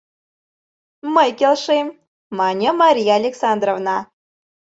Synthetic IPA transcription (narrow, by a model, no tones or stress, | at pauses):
məjkʲelʲʂem | mɑnʲĕmɑɾʲijɑːlʲeksɑnd̪rovnɑ